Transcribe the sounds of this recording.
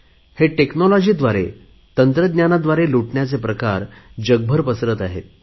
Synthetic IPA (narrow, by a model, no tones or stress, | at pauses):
heʈeknolɔd͡ʑiːd̪ʋaɾḛ | t̪ənt̪ɾəd̪njanad̪ʋaɾeluʈɳjat͡sepɾəkaɾd͡ʑəɡ̚bʱəɾpəsɾət̪aɦḛt̪̚